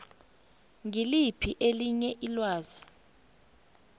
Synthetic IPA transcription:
ŋilipʰiʔeliɲɛʔilwaːz̥i

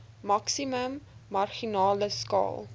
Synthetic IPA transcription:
mɐksiməmːɐrχinɑːləskɑ̰ːlˠ

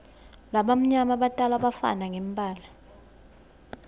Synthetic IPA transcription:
laɓam̩ɲamaɓatʼalaɓafa̰naŋʱem̩bʱʼaːla

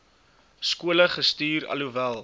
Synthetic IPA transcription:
skuələχəstyːɾɐ̰luvælˠ

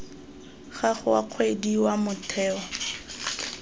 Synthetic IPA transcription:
χaχʊa̰q͡χʰwediwamʊtʰɛːɔ

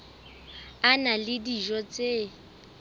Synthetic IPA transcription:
analɪdiʒɔt͡sʼe

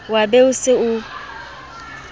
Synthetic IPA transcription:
wabɛʊsɪʊ

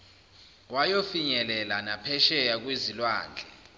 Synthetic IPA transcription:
wajofiɲɛlɛlanapʰɛʃɛjak̬wezilwa̰ːnd͡ɮʱɛ

